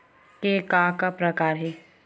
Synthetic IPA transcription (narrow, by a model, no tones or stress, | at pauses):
kekaːkapɾɐkaːɾɦɛː